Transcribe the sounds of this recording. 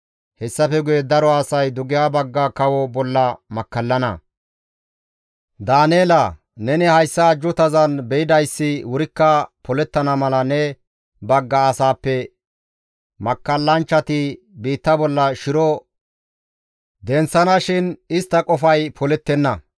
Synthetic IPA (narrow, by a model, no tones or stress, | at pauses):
hɛsːɐfɛɡʊjɛd̪ɐɾɔɐsɐjd̪ʊɡɪjaːbɐɡːɐkɐwɔbɔlːɐmɐkːɐlːɐnɐ̰ | d̪aːneːlɐ | nɛnɪhɐjsːɐːd͡ʒʊt̪ɐzɐnbɛɪd̪ɐjsːɪwʊɾɪkːɐpɔlɛt̪ːɐnɐmɐlɐnɛ | bɐɡːɐːsaːpːɛ | mɐkːɐlːɐnt͡ʃːɐt̪ɪ | biːt̪ːɐbɔlːɐʃɪɾɔ | d̪ɛnsːɐnɐʃɪnɪst̪ːɐkʼɔfɐjpʰɔlɛt̪ːɛnːɐ